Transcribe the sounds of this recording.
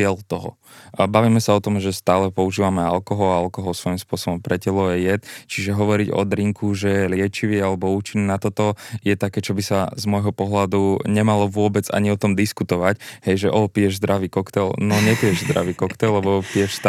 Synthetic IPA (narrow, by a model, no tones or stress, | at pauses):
ɪɛlt̪ɔɦɔ̰ | baʋiːmɛsaɔt̪ɔmʒɛst̪aːlɛpɔuʒiːʋamɛalkɔɦɔlaalkɔɦɔlˠsʋɔjimspʊɔsɔbɔmpɾɛcɛlɔjɛjɛt̪t͡ʃiʒɛɦɔʋɔɾiɟɔ̰d̪ɾiŋkʰuʒɛjɛlɪɛt͡ʃiʋialɛbɔuːt͡ʃinːɛnat̪ɔt̪ɔjɛt̪akɛːt͡ʃɔbisazmɔjɦɔpɔɦlad̪uɲɛmalɔʋʊɔbɛd͡za̰ɲiɔt̪ɔmd̪iskut̪ɔʋachɛjʒɛʔɔːpijɛʒzd̪ɾaʋiːkɔkt̪ɛlnɔɲɛpijɛʒzd̪ɾa̰ʋiːkɔkt̪ɛllɛbɔpijɛʃst̪